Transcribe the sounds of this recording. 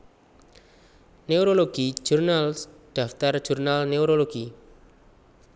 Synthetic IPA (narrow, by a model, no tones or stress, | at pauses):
neuɾoloɡid͡ʒurnalsɖ̥a̤ft̪ard͡ʒ̥urnalneuɾoloɡi